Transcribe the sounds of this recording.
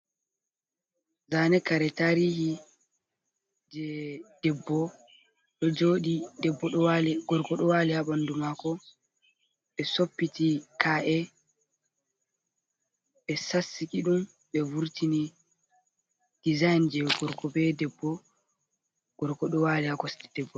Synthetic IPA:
zanɛkaɾɛtaɾiːhi | d͡ʒɛd̥ɛbːɔ | ɗɔd͡ʒoːɗidɛbːɔɗɔwalɡɔɾkɔɗɔwaːlihaɓandumakɔ | ɓɛsopːitikaʔɛ | ɓɛsasːikiɗum | ɓɛvuɾtini | d̥izajnd͡ʒɛɡɔɾkɔbɛdɛbːɔ | ɡ̥ɔɾkɔɗɔwalihakɔstɛd̥ɛbːɔ

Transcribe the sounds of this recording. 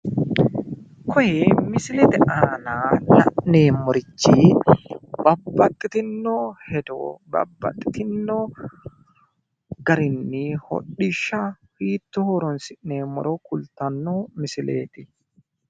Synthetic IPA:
kʰɔjɛmɪsɪlɛt̪ɪʔaːnaːnɐ̰ʔneːmːɔɾɪt͡ʃːiː | b̥ɐbːɐt̪ʼːɪt̪ɪnːoːhɛd̪o̰bɐ̰bːɐ̰t̪ʼːɪ̥t̪ɪnːoː | ɡɐɾɪnːihɔ̰ɗːɪʃːɐ | hiːt̪ːʊhɔɾɔnsɪʔneːmːɔ̰ɾɔkʊlt̪ɐnːoːmɪsɪleːt̪ɪ

